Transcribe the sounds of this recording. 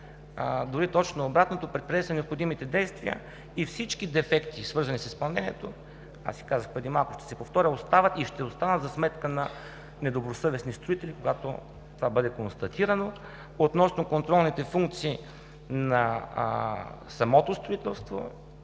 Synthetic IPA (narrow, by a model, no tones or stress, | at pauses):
d̪oɾit̪ɔt͡ʃnoːbɾat̪not̪opɾɛt̪̚pɾɛɛsvɛnɛopxod̪imit̪ɛd̪ɛjst̪viə̰ | ifsit͡ʃk̟id̪ɛfɛkt̪isvɤɾzɐnisispɐlˠnɛnʲɛt̪o | a̰si̥kazəxpɾɛd̪imalˠkʊ̥ʃt̪ɛ̥sɛpoft̪ɔɾʲəost̪avət̪iʃt̪ɛost̪anət̪zɐsmɛt̪kənɐ | nɛd̪obɾosɤvɛsnist̪ɾʊit̪ɛlʲikoɡat̪o̰ | t̪ovabɤd̪ɛkonst̪ɐt̪iɾəno | ot̪nɔsnokont̪ɾɔlˠnit̪ɛfuŋk̚t̪siː | nɐ | sɐmɔt̪ost̪ɾoit̪ɛlˠst̪vo̰